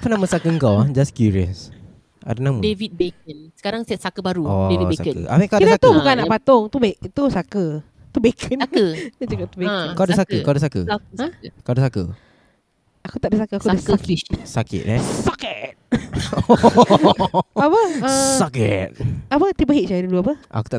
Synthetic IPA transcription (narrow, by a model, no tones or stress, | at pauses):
fənaməsakəəŋkawad͡ʒaskjuɹiə̰s | ʔa̰danamədevit̪̚bek̚ənsə̥kaɾaŋsɛsakəbaɾuɔevisa̰əkə̰ʔa̰mĩkadinakt̪ubukanaʔpat̪ʊŋt̪ubeʔt̪usakə | t̪ubekʰənənad͡ʒakap̚t̪ubekadəsakəkawdəsakəakadəsakə̰ | akut̪aʔdəsakəakusaksakɪ̰t̪̚ɛsakət̪̚ | apəəsakət̚apət̪ipəɦiʔ̚t͡ʃaduluapəʔa̰ku̥t̪a